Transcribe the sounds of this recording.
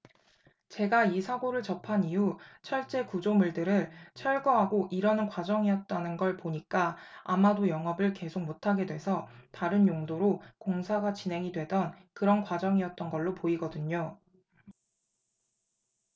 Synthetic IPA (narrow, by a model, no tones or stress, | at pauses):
t͡ɕe̞ɡaisʰaɡoɾɯɭt͡ɕʌpʰaniut͡ɕʰʌɭt͡ɕ͈e̞kud͡ʑomuɭdɯɾɯɭt͡ɕʰʌɭɡʌɦaɡoʔiɾʌnɯnkwad͡ʑʌŋiʌt̚t͈anɯnɡʌɭpoɲik͈aa̰madojʌŋɦʌbɯɭke̞sʰok̚motʰaɡe̞dwe̞sʰʌtaɾɯnjoŋdoɾokoŋsʰaɡat͡ɕinɦe̞ŋidwe̞dʌnkɯɾʌnkwad͡ʑʌŋiʌt̚t͈ʌnɡʌɭːopoiɡʌdɯɲo